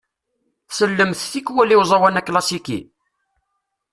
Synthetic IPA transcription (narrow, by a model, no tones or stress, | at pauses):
səlːəmθθikːwæliwzˤɑwænækːlɑsikḭ